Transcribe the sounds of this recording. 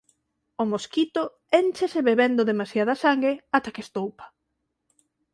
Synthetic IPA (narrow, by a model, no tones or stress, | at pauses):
ʊmoskit̪ʊ | ent͡ʃeseβeβend̪ʊðemasjaðɐsaŋɡɾeat̪akest̪owpɐ̥